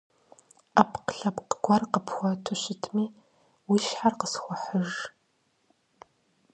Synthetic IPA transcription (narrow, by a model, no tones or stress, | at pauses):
ʔapʰqəɬɐpqɡʷɐrqəpʰxʷɔtʰʊɕɪtʰmiː | wiːʃħarqəsxʷɔħəʒ